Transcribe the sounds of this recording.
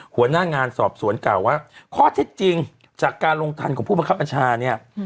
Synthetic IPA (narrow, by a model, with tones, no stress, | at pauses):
hu˩˦ɐnaː˥˩ŋaː˧nsɔː˨˩p̚su˨˩˦ənklaː˨˩wːaː˥˩kʰɔː˥˩t̪ʰe˦˥˩t̪̚t͡ɕi˧ŋ | t͡ɕaː˨˩kːaː˧nɾo˧ŋt̪ʰa̰˧nkʰɔː˨˩˦pʰuː˥˩ba˧ŋʰka˦˥pʰːa˧nt͡ɕʰaː˧ni˥˩ɐ